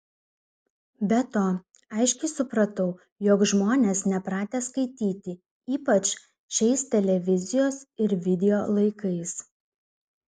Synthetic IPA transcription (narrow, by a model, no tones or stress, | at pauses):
bʲɛt̪oː | ɐɪʃʲkʲɛɪsʊpɾɐt̪ɐʊ | joːkʒmoːnʲeːsnʲɛpɾɑːt̪ʲɛːskɐɪt̪ʲiːt̪ʲɪ | iːpɐt͡ʃ | ʃʲɛɪst̪ʲɛlʲɛʋʲɪzʲɪjoːsɪɾʋʲɪd̪ʲɛjoːlˠɐɪkɐɪs